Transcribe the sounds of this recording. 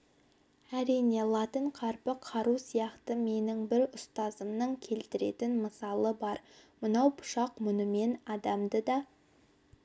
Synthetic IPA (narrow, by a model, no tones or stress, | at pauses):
æɾijne̞lˠɑt̪əɴqʰɑɾpəqʰɑɾusijɑqt̪əme̞nɪŋbɪɾʊst̪ɑzəmnəŋkʲʰe̞lt̪ɪɾe̞̰t̪ɪnməsɑlˠəbɑɾmənɑwpʰʊ̥ʃɑqmʊnəme̞nɑd̪ɑmd̪əd̪ɑ